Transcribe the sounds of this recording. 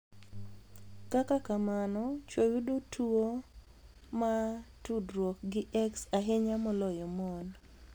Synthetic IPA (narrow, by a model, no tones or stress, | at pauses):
kakakamanɔt͡ʃwojudotʰuo | matudɾwɔk̚ɡɪʔɛksaɦeɲamɔlɔjɔmɔn